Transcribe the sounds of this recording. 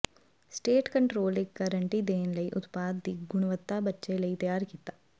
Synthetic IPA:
sʈeːʈkəɳʈɾoːlɪkːəɾəɳʈiːd̪eːnləiʔʊt̪paːd̪ːiːɡʊɽ̃ʋət̪ːabətːʃeləit̪əjaːɾkiːt̪aː

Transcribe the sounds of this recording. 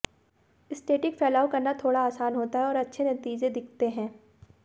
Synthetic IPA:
ɪsʈeːʈɪkfɛːlaːwkɐɾnat̪ʰoːɽaaːsaːnɦoːt̪aɦɛɔːɾɐtːʃʰenɐt̪iːd͡ʒed̪ɪkʰt̪eɦɛ̃ː

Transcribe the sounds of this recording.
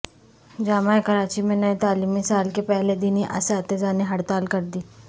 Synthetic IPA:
d͡ʒaːmaːekɐɾaːt͡ʃimẽnɐet̪aːliːmisaːlkepɛɦled̪ɪniʔɐ̰saːt̪ed͡ʒaːneɦɐɽt̪aːlkɐɾd̪iː

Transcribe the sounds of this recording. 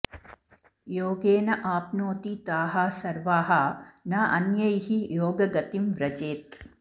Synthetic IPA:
joːɡeːnɐʔaːpnoːt̪it̪aːɦɐsɐɾʋaːɦɐnaːʔɐnjɐjhijoːɡɐɡɐt̪imʋɾɐd͡ʒeːt̪

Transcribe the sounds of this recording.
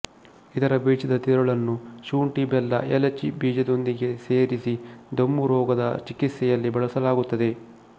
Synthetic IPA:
id̪ɐɾɐbiːt͡ʃid̪ɐt̪iɾɐɭɐnːuʃuːɳʈibɛlːɐ̰ɛlɐt͡ʃibiːd͡ʒɐd̪o̞nd̪iɡe̞seːɾisid̪ɐmːuɾɔːɡɐd̪ɐ̰t͡ʃikit̪sɛjɐlːibɐɭɐsɐlaːɡut̪ːɐd̪e̞

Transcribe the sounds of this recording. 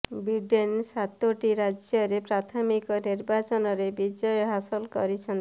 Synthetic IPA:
biɖensat̪oʈiɾad͡ʒjɔɾepɾat̪ʰɔmikɔniɾbat͡ʃɔnɔɾebid͡ʒɔjɔɦasɔlkɔ̰ɾit͡ʃʰɔn

